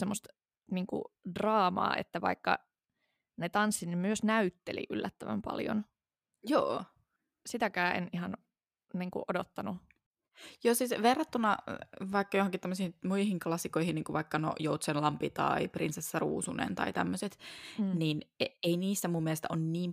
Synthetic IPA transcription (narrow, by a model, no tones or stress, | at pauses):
semːost̪ | niːŋkṵdrɑːmɑ̰ːʔḛt̪ːæʋɑ̰ikːɑ | net̪ɑnsːit̪nemyøsnæyt̪ːelḭʔylːæt̪ːæʋæmpɑ̰ljo̰n | joː | sit̪ækæːʔenihɑn | niːŋkṵʔodot̪ːɑnu | joːsiːsʋerːɑt̪ːunɑʋɑikːɑjohoŋkit̪t̪æmːøsihimuihiŋklɑsːikoihiniːŋkuʋɑikːɑno̰jout̪senlɑmpit̪ɑ̰iprinsesːærṵːsunḛnt̪ɑ̰it̪æmːøset̪niːneeiniːsːæmumːielest̪æʔonniːm